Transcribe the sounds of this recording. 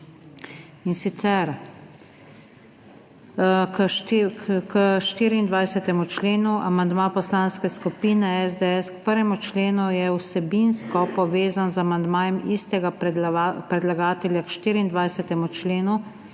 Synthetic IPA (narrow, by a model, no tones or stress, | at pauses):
insit̪sɛɾ | kəʃt̪iːɾiːnd̪ʋajsɛt̪ɛmut͡ʃleːnuʔa̰mand̪mapɔslaːnskɛskupiːnɛɛzd̪eɛskpəɾʋjɛmut͡ʃleːnujɛwsɛbinskɔpɔʋeːzanzamand̪maːjɛmist̪ɛɡa | pɾɛd̪laɡaːt̪ɛlʲjakʃt̪iːɾiind̪ʋajsɛt̪ɛmut͡ʃleːnu